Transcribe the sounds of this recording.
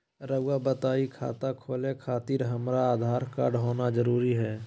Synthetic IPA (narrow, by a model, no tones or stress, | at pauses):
ɾəɡabət̪aːikʰa̰ːt̪akʰoːlekʰaːt̪iɾɦəmɾaaːd̪ʱaːɾka̰ːɖɦoːnad͡ʒəɾuːɾiɦɛː